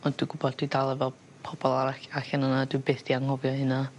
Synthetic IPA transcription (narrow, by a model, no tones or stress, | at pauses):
ɔnd̥wijɡʊbɔdd̥widalˠɛvɛlˠ | pʰɔbɔlˠaɾaaɬanənadwijbeːθd̥iaŋhɔvjɔhɨna